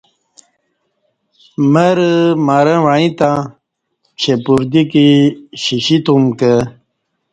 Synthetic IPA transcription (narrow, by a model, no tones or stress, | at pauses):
məɾmaɾə̃ʋaɻĩt̪ã | t͡ɕʰepuɾd̪ikiɕiɕit̪umkə